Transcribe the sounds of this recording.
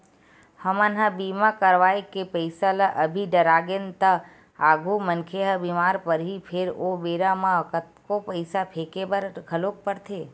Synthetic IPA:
həmənɦabimakəɾʋaekepəɪsalaʔəbʱiɖəɾaɡent̪a | aɡʱumənkʰeɦəbimaːɾpəɾɦipʰeɾobeɾamãkət̪kopəɪsapʰekebəɾɡʱəlok̚pəɾt̪ʰe

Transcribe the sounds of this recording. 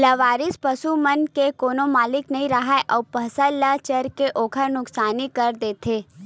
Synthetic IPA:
lɐʋaːɾɪspɐsumɐnkekoːnomaːlɪknɐɦĩɾɐɦaeʔɔːpɐsəlːɐt͡ʃɐɾkeʔoːkʰəɾnʊksaːnikɐɾd̪eːt̪ʰeː

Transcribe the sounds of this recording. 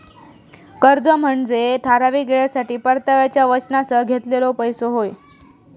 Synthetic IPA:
kəɾd͡zəm̤əɳd͡zeʈʰaɾaʋiːɡeɭjasaʈiːpəɾt̪aʋjat͡ɕjaʋət͡ɕnasəɡʱet̪lelopəjsoɦoj

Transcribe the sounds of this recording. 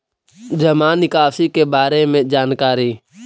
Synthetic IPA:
d͡ʒəmaːnɪkaːsiːkeːbaːɾeːmẽːd͡ʒaːnkaːɾiː

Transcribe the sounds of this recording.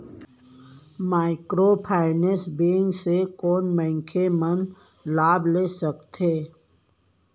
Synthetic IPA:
maːɪkɾoːpʰaːɪnesbeːŋɡsekoːnmɛ̃ŋkʰemən | laːbleːsəkt̪eː

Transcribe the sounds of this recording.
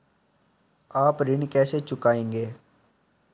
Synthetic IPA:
aːpɾɪɳkɛːset͡ʃʊkaːẽːŋɡeː

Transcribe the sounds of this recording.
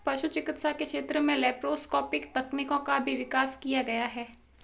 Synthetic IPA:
pɐʃut͡ʃɪkɪt̪sakekʃeːt̪ɾəmẽlɛːpɾoːskɔːpɪkt̪ɐknikõkabʱiʋɪkaːskijaɡɐjaɦɛː

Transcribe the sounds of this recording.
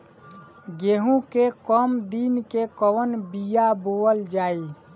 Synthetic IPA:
ɡeɦũkekɔmd̪inkekɔwənbijaboəld͡ʒaːi

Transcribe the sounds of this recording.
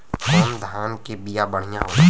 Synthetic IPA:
kʰɔːnd̪ʱaːnkebɪjabəɽ̤ɪjãɦo

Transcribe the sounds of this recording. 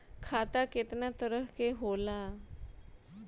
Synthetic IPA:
kʰat̪aket̪njat̪əɾəɦkeɦola

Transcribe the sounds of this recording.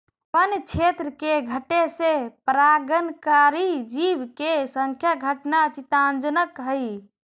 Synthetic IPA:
pənjt͡ʃʰet̪ɾəkeɡʱəʈesepɾaɡənkaɾid͡ʒibkesəŋkʰjaɡʱəʈnat͡ʃit̪and͡ʒənəkɦəj

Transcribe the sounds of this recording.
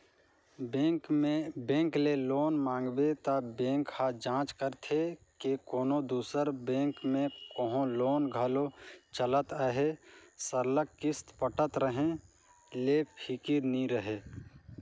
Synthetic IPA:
bːkmebẽːŋkleloːnmãːŋɡbet̪abẽːŋkhad͡ʒãːt͡ʃkəɾt̪ʰekekoːnod̪uːsəɾbẽːŋkmẽkoɦõloːnɡʱəlot͡ʃələt̪əɦesəɾləkːɪst̪pəʈət̪ɾəɦẽ | leːpʰikiɾniɾəɦe

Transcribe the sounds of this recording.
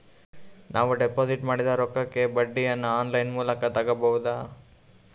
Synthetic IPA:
nʔaːʋuɖepoːsiʈmaːɽid̪ɐɾɔkːɐkːe̞bɐɖːijɐnːuaːnlɐjnmuːlɐkɐt̪ɐɡɐbɐud̪a

